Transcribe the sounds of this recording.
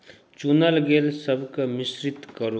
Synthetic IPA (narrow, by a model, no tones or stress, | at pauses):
t͡ʃunəlɡelsəbʱkəmɪsɾɪt̪kəɾu